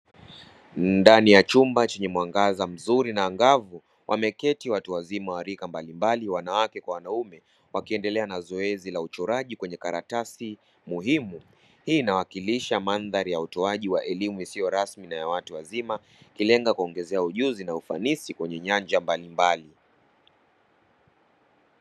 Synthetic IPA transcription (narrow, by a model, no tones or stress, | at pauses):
ndanijat͡ʃumbat͡ʃɛɲɛmwaŋɡazam̩zuɾinaːŋɡavu | wʔa̰mɛkɛtiwatuwazimawaɾikambalimbaliwanawakɛkwawanaumɛ | wakiɛndɛlɛanazɔɛzilaut͡ʃɔɾaʄikwɛɲɛkaɾatasi | muhimu | hiːnawakiliʃamanðaɾijautɔaʄiwaʔɛlimuisijɔɾasminajawatuwazima | kilɛŋɡakuɔŋɡɛzɛauʄuzinaufa̰nisikwɛɲɛɲand͡ʒambalimbali